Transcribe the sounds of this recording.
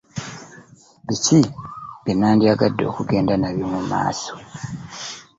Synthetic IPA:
βiciβenaːndiaɡadːo̞̰kuɡe̞ːndanaβjomuma̰ːso

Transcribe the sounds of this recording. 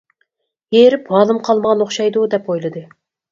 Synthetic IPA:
jeɾɪp̚bɑːlˠɨmqʰɑlˠmɑʁɑnoχʃɑjd̪ud̪ɛpojlˠɨd̪ɨ

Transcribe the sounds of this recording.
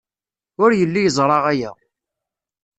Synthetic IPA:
ʊɾjəlːijəzˤɾˤɑʁæjæ̰

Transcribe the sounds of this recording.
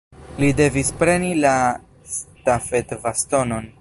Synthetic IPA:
lide̞vispɾe̞nila | stafe̞tvasto̞no̞n

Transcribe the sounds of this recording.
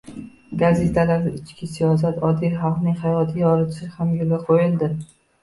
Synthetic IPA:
ɡaze̞t̪ʰalaɾd̪aɪt͡ʃkʲʰɪsijɒs̬at̪ɒd̪ijχɑlˠqnɪŋhajɒt̪ʰɪjɒɾɪt̪ʰɪsɪhamjʊlaqʰojɪld̪ɪ

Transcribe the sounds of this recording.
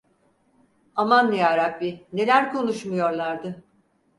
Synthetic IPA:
amanːejaɾap̚bine̞lʲæɾkʰo̞nuʃmujo̞ɾlˠaɾd̪ɯ

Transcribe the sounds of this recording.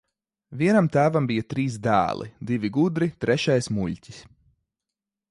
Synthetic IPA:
vʲiɛnamt̪æːvambijat̪ɾiːsd̪æ̰ːlˠʔḭd̪ivʲiɡud̪ɾit̪ɾɛʃajsmuʎʲcʲi̥s

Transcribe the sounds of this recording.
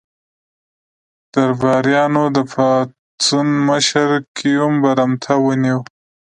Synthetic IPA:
d̪̥aɾbɑɾjɑnod̪əfɑ | t͡s̪unməʃəɾkʰijumbaɾamt̪ʰawəniw

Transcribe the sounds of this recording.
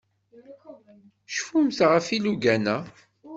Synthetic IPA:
ʃfumθʁəfiluɡænæ

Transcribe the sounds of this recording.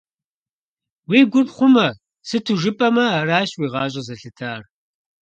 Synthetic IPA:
wiːɡʷʊrχʷʊmɐ | sɨtʰuʒɨpʼɐmɐaːɾaːɕwiːʁɑːɕ̬ʼɐzɐɬɨtʰaːr

